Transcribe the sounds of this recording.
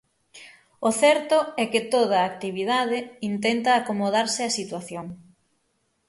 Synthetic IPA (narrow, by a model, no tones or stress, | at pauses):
ʊθɛɾt̪ʊɛkɪt̪oð̞ɐːk̚t̪iβiðað̞ɪint̪ɛnt̪ɐːkomoð̞aɾsɪɐsit̪waθjoŋ